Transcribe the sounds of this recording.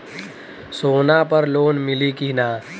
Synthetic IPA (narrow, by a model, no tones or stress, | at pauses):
soːnapəɾloːnmɪlikina